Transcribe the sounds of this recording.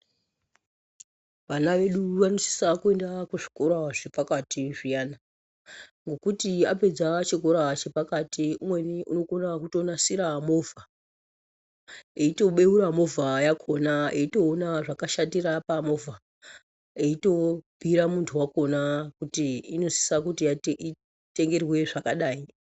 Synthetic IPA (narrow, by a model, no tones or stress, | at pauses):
ʋanaʋe̞ɗuʋanosi̥sakue̞ndakuʐi̥ko̞ɾaʐepakatiʐijaːna | ŋɡo̞kutiape̞d͡zat͡ʃik̬oɾat͡ʃe̞pakatiumwe̞niʔuno̞konakuto̞nasiɾamo̞vʱa | eito̞ɓe̞uɾamo̞vʱajakʰonaeito̞ːnaʐakaʃatirapamo̞vʱa | eito̞bʱiɾamuntʰuwako̞nakutiino̞si̥sakutiai | te̞ŋɡe̞rwe̞ʐakaɗaːi